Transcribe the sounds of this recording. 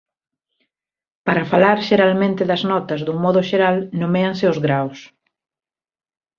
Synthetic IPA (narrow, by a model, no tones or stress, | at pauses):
paɾɐfalaɾʃeɾalmẽnt̪ɪðɐznɔt̪ɐzðuŋmɔðʊʃeɾalnomeɐŋsɪʊzɣɾaws